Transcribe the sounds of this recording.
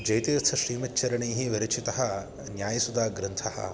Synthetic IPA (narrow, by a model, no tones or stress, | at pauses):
d͡ʒɐjt̪iːɾɐt̪ʰɐʃɾiːmɐt̚ːt͡ʃɐɾɐɳiːɦiʋɐɾɐt͡ʃit̪ɐɦɐ | njaːjɐsud̪aːɡɾɐnt̪ʰɐhɐ̰